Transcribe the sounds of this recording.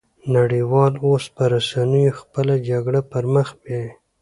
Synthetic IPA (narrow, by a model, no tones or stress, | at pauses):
naɽiwɑlospəɾasanəjoxpəlad͡ʒaɡɽapəɾməxbe